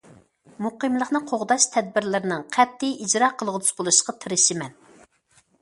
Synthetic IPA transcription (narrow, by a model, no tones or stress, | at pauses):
muqəmlˠəχnɨqʰoʁd̪ɑʃt̪ʰɛd̪̚bɪɾlɪɾɪnɪŋqʰɛp̚t̪ʰːɪid͡ʒɾɑqʰəlˠʁəd̪y̥sbolˠuʃə̥qɑt̪ʰɨɾɨʃimɛn